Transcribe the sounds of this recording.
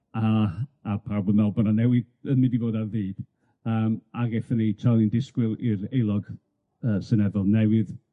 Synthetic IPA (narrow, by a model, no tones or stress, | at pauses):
aapʰarboːdnabɔnanɛwɨd | ənmɪdivoːdaðiːd̥ | əːmaɡeθəniejtʰalˠɪndɪskwɪlˠɪɾejlˠɔɡ̥ | əːsənɛðɔlˠnɛwɨð